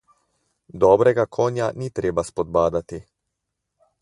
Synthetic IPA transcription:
d̪ɔːbɾɛɡakʰɔːnjanit̪ɾeːbaspɔd̪baːd̪at̪i

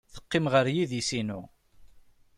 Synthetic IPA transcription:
θə̥qːɪmʁəɾjiðisinu

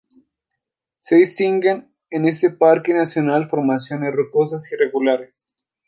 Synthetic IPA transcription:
seðist̪iŋɡen | ene̞s̬t̪e̞paɾkenasjo̞nalfo̞ɾmasjo̞ne̞zrut̪o̞s̬asire̞ɣulaɾes

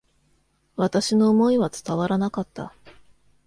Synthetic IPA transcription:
βat̪aɕino̞ːmo̞iβat͡sɨ̥t̪aβaɾanakat̪ːa̰

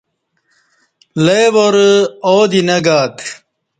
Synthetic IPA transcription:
lejwoɾoːd̪inɐɡaːt̪

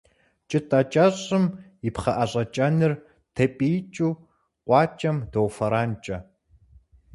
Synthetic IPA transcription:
t͡ʃʼɨtʼɐt͡ʃʼɐɕʼɨm | ipχɐʔɐɕʼɐt͡ʃʼɐnɨr | tʰɐpʼijt͡ʃʼuː | qʷɑːt͡ʃʼɐmdowfɐɾaːnt͡ʃʼɐ

